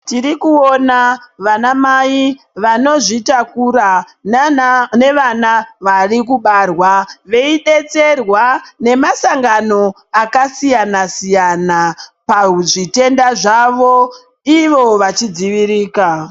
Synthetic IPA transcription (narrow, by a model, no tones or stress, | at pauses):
tiɾikuo̞naʋanamai | ʋano̞ʐitakuɾa | ne̞ʋanaʋarikuɓarwaʋe̞iɗe̞t͡se̞rwane̞masaŋɡano̞ | akasijanasijanapaʐite̞ndaʐaʋo̞ | iʋo̞ʋat͡ʃid͡ziʋiɾiːka